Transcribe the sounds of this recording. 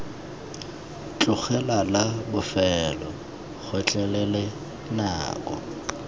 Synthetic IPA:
t͡ɬʼʊχɛlalabʊfɛlɔ | ɣʰɔt͡ɬʼɛlɛlɛ | na̰ːkʼɔ̰

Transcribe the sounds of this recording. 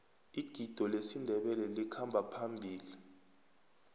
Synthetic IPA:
iɡ̥ʱid̥ʱɔlesindʱɛɓɛlɛlikʰambʱapʰambʱiːli

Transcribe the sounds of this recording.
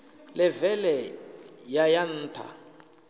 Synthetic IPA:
lɪvɛlɛjajan̩ːtʰa̰

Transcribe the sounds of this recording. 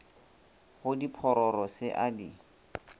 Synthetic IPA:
χʊdipʰɔɾɔɾɔsɪʔadi

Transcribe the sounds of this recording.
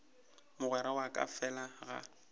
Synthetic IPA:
mʊɣwɛɾawakʼa̰fɛlaɣa̰

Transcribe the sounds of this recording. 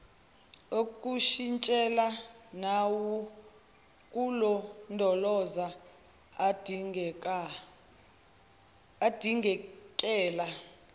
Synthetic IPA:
okʼuʃint͡ʃʼɛlanawu | kʼulɔndʱɔlɔza | d | d̥ʱiŋɡʱɛkʼɛːla

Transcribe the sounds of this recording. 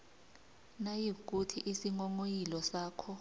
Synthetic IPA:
najik̬ʼutʰiʔisiŋɔŋojilɔsaːkʰɔ

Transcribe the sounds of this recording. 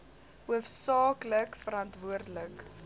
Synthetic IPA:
uəfsɑːkləkfəɾɐntvuərdələk

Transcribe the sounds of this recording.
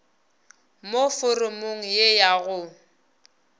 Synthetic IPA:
mofʊrʊmʊŋ̩jejaɣʊ

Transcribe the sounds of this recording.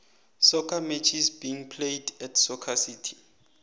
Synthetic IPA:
sɔkʰamɛt͡ʃʰisbiiŋpʰlejdɛtʰsɔkʰasitʰi̥

